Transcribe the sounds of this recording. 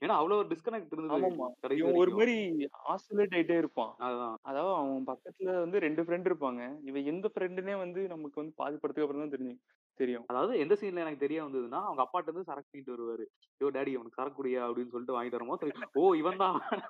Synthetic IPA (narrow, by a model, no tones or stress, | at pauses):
eːnaːɐʋɐɭoːɐɾɯɖɪskɐnɛk̚ʈːɪɾɯnd̪aːmaːmaːkɐɽɐɪʋɐ̃ɔɾɯmaːɾia̰ːsɔleːʈ̬ɐɪʈ̬ːeːɪɾɯpːã̰ːɐaːɐðaːʋɐðɐʋɐ̃pɐkːɐt̪ːɪlɐʋɐnd̪ɯɾɛɳɖɯfɾɛɳɖɪɾɯpːaːŋɡɐɪʋɐ̃ɛnd̪ɐfɾɛɳɖɯneːʋɐnd̪ɯnɐmːɐkːɯʋɐnd̪ɯpa̰ːðɪpːɐɽɯt̪ːɯkːɐp̬ːɯɾɐt̪aːt̪ɛɾɪɲd͡ʒɯŋ | t̪ɛɾɪjʊ̃ɐðaːʋɐðɯɛnd̪ɐsiːnlɐɛnɐkːɯt̪ɛɾɪjaːʋɐnd̪ɯðɯnːaːɐʋɐŋɡɐpːaːʈ̬ːɯɾnd̪ɯsɐɾɐk̚ʈːŋɪʈːɯɔɾɯʋɐːɾɯ | joːɖaːɽiɛʋɐnɐkːsɐɾɐkːʊɽɪjaːɐpɐɽɪnːɯsɔlːɪʈːɯʋaːŋɡɪʈːʋɐːɾɐmosɔlːioːɪʋɐnd̪ãː